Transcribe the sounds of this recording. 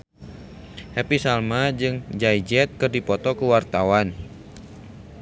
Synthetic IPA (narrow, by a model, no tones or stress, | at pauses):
hɛpisalmad͡ʒɨŋd͡ʒajd͡ʒɛt̪̚kɨrdipɔt̪ɔkuwart̪awan